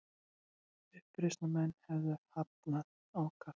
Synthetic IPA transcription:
ʏhpɾɪst̪namɛnːhɛvðʏhap̚nað | awkʰa

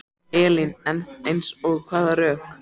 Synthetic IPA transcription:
ɛːlɪnɛnθejnsɔɣkʰvaːðaɾœːhk

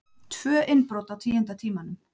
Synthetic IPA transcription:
t̪ʰv̥œːʔɪnpɾɔːwt̪awt̪ʰiːjɛnt̪at̪ʰiːmanʏm

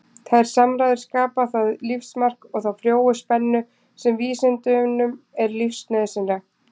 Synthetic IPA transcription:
θʰaðɾ̥samɾajðɪɾ̥skaːpaθaðlifsmar̥kɔɣθawfɾjoːwʏspɛnːʏ | sɛmviːsɪnt̪ʏnʏmɛɾlifsnœðsɪnɾa

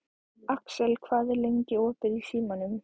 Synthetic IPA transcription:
aksɛlkʰvaːðɪleɲcɪɔːt̪ɪɾisiːmanʏm

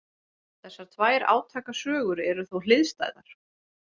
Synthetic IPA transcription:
θɛsːaɾ̥t̪ʰvaːjɾa̰ːwt̪ʰaːkasœːɣʏɾɛɾʏθowlɪðst̪a̰jðaɾ̥

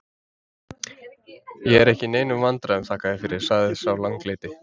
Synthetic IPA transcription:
jɛɛɾɛhcɪneːjnʏmvant̪ɾaɛmt̪ʰaːhkaðɪfɪɾɪɾ̥saːɣðɪsawlaŋkleːjt̪ɪ

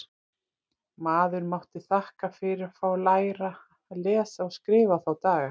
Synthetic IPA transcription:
maːðʏɾmawht̪ɪθahkafɪɾɪɾafawlaːjɾa | lɛːsaɔɣskɾɪːvaθawt̪aːɣa

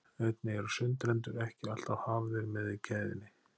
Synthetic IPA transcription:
œɥt̪nɪɛɾʏsʏnt̪ɾɛnt̪ʏɾɛhcɪal̥t̪awhavðɪɾmɛðɪcʰɛːjðɪ̰nːɪ

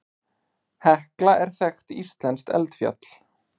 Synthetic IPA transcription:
hɛhklaʔɛɾ̥θɛxt̪ist̪lɛnst̪ɛ̰lt̪fja̰t̪l̥

